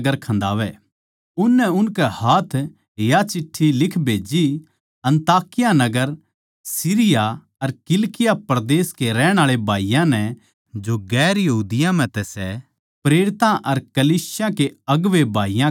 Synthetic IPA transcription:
ɡəɾkʰɐ̃nd̪aːʋɛ | ʊnːɛʊnkɛhaːt̪ʰ | jat͡ʃɪʈʰːilɪkʰbʱeːd͡ʒi | ɐ̃nt̪aːkɪjanɐɡəɾ | siːɾɪja | ɐɾkɪlkɪjapɾd̪eːskeɾɛːɽ̃aːɭebʱaːijãnɛ | d͡ʒoɡɛːɾjɐɦuːd̪ɪjãm̤ɛ̃t̪ɛsɛ | pɾeːɽɪt̪ãʔɐɾkɐliːsɪjãkeɐɡʋebʱaːijã

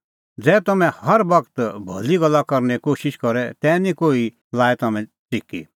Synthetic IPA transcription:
d͡zɛːt̪ɐmɛ̃hɐɾbɐkt̪bʱɐ̰liɡɐlːakɐɾnɛkoːʃɪʃkɐɾɛt̪ɛːnĩkoːi | laːɛt̪ɐmɛ̃ | t͡sɪkḭ

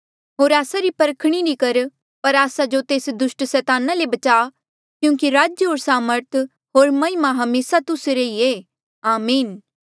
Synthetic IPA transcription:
ɦoːɾaːsaɾipɐɾəkʰɽ̃iɾikɐɾ | pɐɾaːsad͡ʒot̪eːsd̪ʊʃʈsɛːt̪aːnalebɐt͡ʃaː | kjũːkiɾaːd͡ʒjəɦoːɾsaːməɾt̪ʰ | ɦoːɾmɐɪmaɦɐmeːsat̪ʊseɾeieː | aːmiːn

